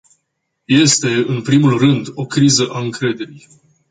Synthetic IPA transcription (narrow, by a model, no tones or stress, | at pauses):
je̞st̪e̞ɨnpɾimulrɨnd̪o̞kɾizəʔaɨŋkɾe̞d̪e̞ɾij